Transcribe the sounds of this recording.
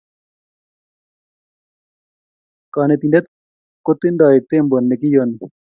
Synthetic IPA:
kaːnet̪indet̪̚ | kot̪ːind̪aːit̪eːmbonːek̬ijon

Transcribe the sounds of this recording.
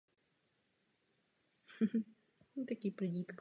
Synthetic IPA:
nt̪akʲipɾɨdʲit̪k

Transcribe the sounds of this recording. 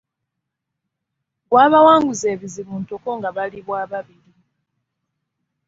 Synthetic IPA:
ɡwaːβawaːŋɡuzeːβizimuːntoko̞ŋɡaβaliβwaːβaβili

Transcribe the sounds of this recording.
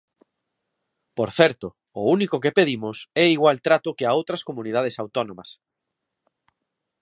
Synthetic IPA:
poɾθɛɾt̪ʊ | ʊunikʊkepeðimʊsɛiɣwalt̪ɾat̪ʊkeaowt̪ɾɐskomunið̞að̞esawt̪ɔnõmɐs

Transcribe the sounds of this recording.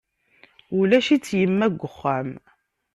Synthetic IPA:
ulæʃit͡sːjəmːæɡʷːəχːæm

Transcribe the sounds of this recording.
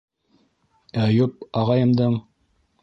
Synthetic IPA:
æjup̚ɑʁɑjɤ̆md̪ɤɴ

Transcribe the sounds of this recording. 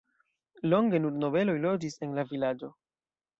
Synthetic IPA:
lo̞ŋɡe̞nuɾno̞ve̞lo̞jlo̞d͡ʒise̞nlavilad͡ʒo̞

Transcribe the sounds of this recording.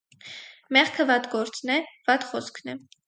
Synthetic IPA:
mɛχkʰəvɑt̪ɡɔɾt͡snɛvɑt̪χɔskʰnɛ

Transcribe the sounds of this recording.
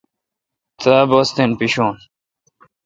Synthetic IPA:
t̪abost̪enpiɕoːn

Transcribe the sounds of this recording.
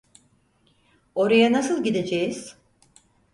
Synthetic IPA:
o̞ɾajanasɯlˠɟid̪e̞d͡ʒejiz̥

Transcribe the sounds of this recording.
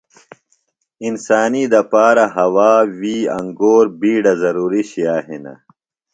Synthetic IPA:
insaːnid̪ɐpaːɾɐɦɐwaːwiːɐ̰ŋɡoːɾbiːɽɐzɐɾuːɾiɕijaːɦinɐ̰

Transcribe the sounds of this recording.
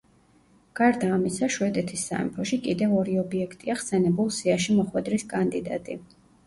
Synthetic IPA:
ɡ̥aɾd̪aːmisaʃwɛd̪ɛt̪ʰisːa̰ɛ̰mpʰɔʃikʼid̪ɛvɔɾiɔbiɛkʰt̪ʼiaχsɛnɛbulˠsiaʃimɔχwɛd̪ɾiskʼand̪id̪a̰t̪ʼḭ

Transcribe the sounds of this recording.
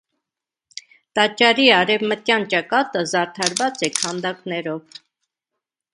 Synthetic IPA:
t̪ɑt͡ʃːɑɾiɑɾɛvmət̪jɑnt͡ʃɑkɑt̪əzɑɾt̪ʰɑɾvɑt͡sɛkʰɑnd̪ɑknɛɾɔv

